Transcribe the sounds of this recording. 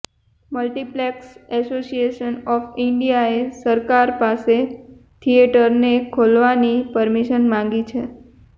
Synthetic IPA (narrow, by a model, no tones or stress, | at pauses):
məlʈiplɛksɛsosieʃənɔfɪɳɖijaesəɾkaɾpase | t̪ʰieʈəɾnekʰolʋanipəɾmiʃənmãŋɡit͡ʃʰe